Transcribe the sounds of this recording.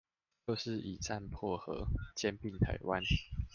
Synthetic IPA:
t͡ɕo˥˧ʊʂɻ̩˥˨i˨˩t͡sa˥˨npʰwɔ˥˩xɤ̰˧˦t͡ɕjɛ˦npi˥˨˩ŋt̪ʰa̰˨˥ɪwa˦n

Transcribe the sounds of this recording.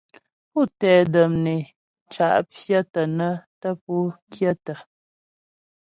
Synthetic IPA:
pu˦˨tɛː˨də˨mne˨ | t͡ʃa̰˨ʔp͡fjə˦tə˨nə˦tə˦p̚u˦kʰjə˦˨tə˨

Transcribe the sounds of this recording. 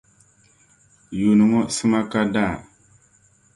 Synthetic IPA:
ju˨nɨ˨ŋɔ˦sɨ˦ma˦ka˦da˦˨

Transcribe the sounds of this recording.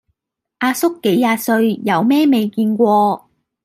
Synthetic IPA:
ʔaː˧sʊ˥kːe˨˥jːaː˧tsɵ˧ɥjɐ˨˧wmɛː˥me˨jkiː˧nkʷɔː˧

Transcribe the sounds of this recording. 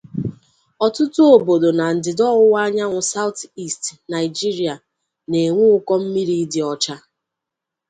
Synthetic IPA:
ɔ˨tʊ˦tʊ˦o˨bo˨do˨na˨n̩˨dɪ˨dɔ˦ɣʊ˦wa˦ɲa˦ŋʷʊ˨sa˦ʊ˦ti˦˨stna˨ɪ˨d͡ʒi˦ɾi˨a˨ | ne˨ŋʷu˦ʊ˦kɔ˦m̩˦mi˦ɾi˦dɪ˨ɔ˨t͡ʃa˦

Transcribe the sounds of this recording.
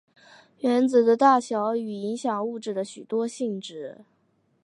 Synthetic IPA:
ɥɛ˧˥nt͡sɹ̩˨˩d̪ə˦t̪a˥˩ɕjɑ˧˥ʊy˨˩i˧˥ŋɕjɑ˨˩ŋu˥˧ʈ͡ʂɻ̩˥˩d̪ə˩ɕy˨˩t̪wɔ˥ɕi˥˧ŋʈ͡ʂɻ̩˧˥

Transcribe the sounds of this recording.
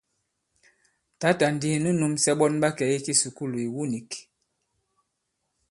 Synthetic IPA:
ta˨˦ta˨n˨di˦˨nə˦nu˦msɛ˦ɓɔ˦nɓa˦kɛ˨i˦ki˦su˨ku˦lu˨i˨wu˦ni˨k

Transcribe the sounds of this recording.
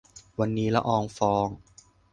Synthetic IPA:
wa˧nːiː˦˥la̰˦˥ʔɔː˧ŋfɔː˧ŋ

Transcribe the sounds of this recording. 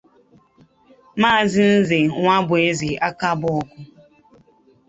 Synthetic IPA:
maː˦˨zɪ˦n̩˦ze˨ŋʷa˦bʊ˨e˦zi˨a˦ka˦bʊ˨˦ɔ˨kʊ˦

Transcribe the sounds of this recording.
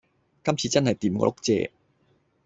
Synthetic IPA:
kɐ˥mt͡sʰiː˧t͡sɐ˥nɦɐ˨jt̪iː˨˩mkɔ̰˧˥lʊ˥k̚t͡sɛ̰ː˧

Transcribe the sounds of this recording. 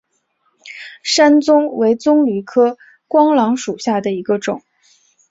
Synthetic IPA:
ʂa˥nt͡sʊ˥ŋwe˧˥ɪt͡sʊ˥ŋly˧˥kʰɤ˥ | kwɑ˥ŋlɑ˧˥ŋʂu˨˩ɕja˥˩d̪ə˩i˧˥ɡə˧ʈ͡ʂʊ̰˨˩˦ŋ

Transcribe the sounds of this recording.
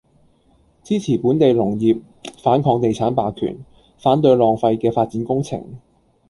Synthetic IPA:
t͡siː˥t͡sʰiː˨˩puː˨˥nt̪e˨jlʊ˨˩ŋjiː˨p̚ | faː˨˥nkʰɔː˧ŋt̪e˨jt͡sʰaː˨˥npaː˨kʰy̰ː˨˩n | faː˨˥nt̪ɵ˧ɥlɔː˨ŋfɐ˧jkɛː˧faː˧t̚t͡siː˨˥nkʊ˥ŋt͡sʰɪ̰˨˩ŋ

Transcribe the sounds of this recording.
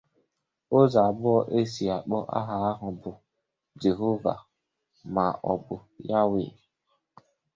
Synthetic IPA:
o˦za˨bʊ˦ɔ˦ʔe˦si˨a˨k͡pɔ˦ʔa̰˦ɦa˨a˦ɦʊ˨bʊ˨ | d͡ʒe˨ɦo˦va̰˨ | ma˨ʔɔ˨bʊ˨ja˦wɪ̰˨

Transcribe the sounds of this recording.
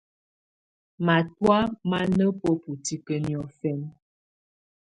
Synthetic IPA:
ma˨twa˦ma˦nə˦po˦pu˨ti˨kə˨njɔ˨fɛ˦n

